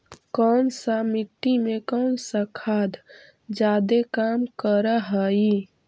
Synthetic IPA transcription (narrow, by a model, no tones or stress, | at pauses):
kɔnsamiʈːimekɔːnsəkʰaːd̪ | d͡ʒaːd̪ekamkəɾəɦəi